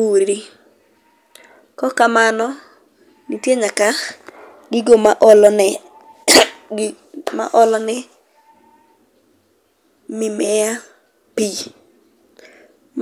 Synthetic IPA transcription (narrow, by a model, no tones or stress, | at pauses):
uɾi | kɔkamanɔ | nitjeɲaka | ɡɪɡomaʔ | ma̰ʔɔlɔnɪ | mɪmɛja | pi | m